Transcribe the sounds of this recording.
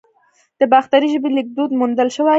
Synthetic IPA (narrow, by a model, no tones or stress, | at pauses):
d̪̥əbɑxt̪aɾiʒəbelɪk̚d̪od̪mund̪əlʃəwa